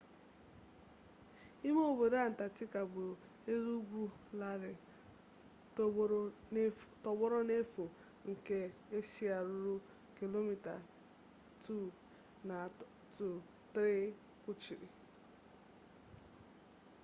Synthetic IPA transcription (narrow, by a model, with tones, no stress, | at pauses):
i˦mo˦˨be˨ɾa˦˨n̩˨ta˨tɪ˦ka˨ɡ͡bʊ˨ | e˦zu˦ɡʷu˦ | la˦˨ɾɪ˨˦ | tɔ˨ɡ͡bɔ˦ɾɔ˦ne˦fu˨ | ŋ̩˨ke˦e˦ʃi˦a˨ɾʊ˦ɾʊ˦ | ki˨lo˦mi˨ta̰˨ | tu˦˨ | na˨ | tu˨ | t̪ɾi˦ | kʷʊ˦t͡ʃi˨ɾḭ˨